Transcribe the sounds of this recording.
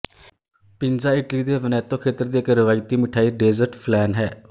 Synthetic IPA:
pɪnd͡ʒaːɪʈliːd̪eːʋənɛːt̪õːkʰeːt̪əɾd̪iːɪkɾɪʋaːjt̪iːmɪʈʰaːiːɖeːzəɾʈpʰlɛːnɦɛː

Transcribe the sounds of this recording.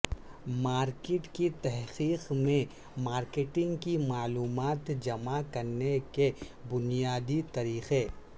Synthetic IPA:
maːɾkeʈkit̪ɛɦqiːqmẽ | maːɾkeːʈɪ̃ŋɡkimaːluːmaːt̪d͡ʒɐmakɐɾneke | bʊnijaːd̪it̪ɐɾiːxeː

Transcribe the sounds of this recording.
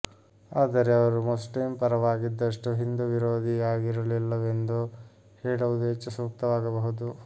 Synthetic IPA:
aːd̪ɐɾeɐʋɐɾumosʈiːmpɐɾɐʋaːɡid̪ːɐʂʈuɦind̪uʋiɾoːd̪ʱiaːɡiɾɐlilːɐʋe̞nd̪u | heːɽɐʋud̪uɦet͡ʃːusuk̚t̪ɐʋaːɡɐbɐɦud̪u

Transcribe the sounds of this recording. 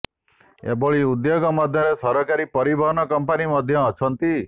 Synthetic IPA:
ḛbɔɭiud̪joɡɔmɔd̪ʱjɔɾesɔɾɔkaɾipɔɾibʱɔɦɔnɔkɔmpanimɔd̪ʱjɔːt͡ʃʰɔnt̪i

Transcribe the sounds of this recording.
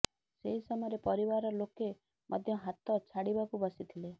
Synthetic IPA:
seɦisɔmɔjɾepɔɾibaɾɔloke | mʔɔ̰d̪ʱjɔɦat̪ɔt͡ʃʰaɽibakubɔsit̪ʰile

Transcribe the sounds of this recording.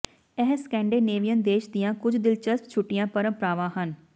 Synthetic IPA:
ɛɦskɛ̃ːɳɖeːneːʋijənd̪eːʃd̪ɪjãːkʊd͡ʒd̪ɪlt͡ʃəspt͡ʃʰʊʈːɪjãːpəɾə̃mpɾaːʋãːɦən

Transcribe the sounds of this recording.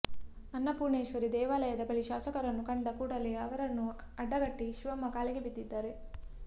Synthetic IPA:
ɐnːɐpuːɾɳeːʃʋɐɾid̪ɛːʋaːlɐjɐd̪ɐbɐɭiʃaːsɐkɐɾɐnːukɐɳɖɐkuːɽɐleɐʋɐɾɐnːu | ɐɖːɐɡɐʈːiʃiʋɐmːɐkaːliɡebid̪ːid̪ːaːɾe̞

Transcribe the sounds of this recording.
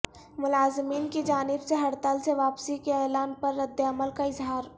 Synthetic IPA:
mʊlaːzmiːnkid͡ʒaːnɪbseɦɐɾt̪əlseʋaːpsikeɛːlaːnpɐɾːɐd̪ːəɐməlkaɪzɦaːɾ

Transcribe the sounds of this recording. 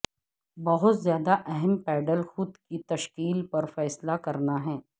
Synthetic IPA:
bɐɦʊt̪zjaːd̪aʔɛɦɛmpɛːɖəlxʊd̪kit̪ɐʃkiːlpɐɾfɛːslakɐɾnaɦɛː

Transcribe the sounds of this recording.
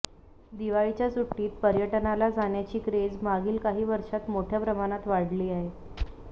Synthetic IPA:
d̪iʋaɭit͡ɕjasuʈːiːt̪̚pəɾjəʈənalad͡zaɳjat͡ɕiːkɾed͡zmaɡiːlkaɦiːʋəɾʂat̪moʈʰjapɾəmaɽ̃at̪ʋaɽliːaɦe

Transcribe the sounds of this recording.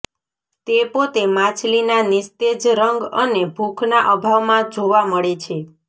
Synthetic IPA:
t̪epot̪emãt͡ʃʰlinanist̪ed͡ʒɾəŋɡənebʱukʰnaʔəbʱaʋmãd͡ʒoʋaməɭet͡ʃʰe

